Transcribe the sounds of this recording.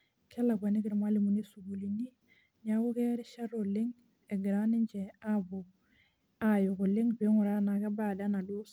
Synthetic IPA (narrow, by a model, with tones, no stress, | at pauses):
kʰɛ˦la˨ɡʷa˨ni˦ki˨ɾma˦li˨mu˨ni˦su˨ɡu˨li˨ni˦ | ɲa˨ko˦ke˦ɾi˦ʃa˦ɾo˨li˦ŋ | e˨ɡi˨ɾa˦ni˦ɲd͡ʒɛ˨a˦bu˨ | a˦jo˨ku˨li˦ŋbi˨˦ŋu˨ɾa˦na˨ka˦ba˦˨da˦na˨du˦s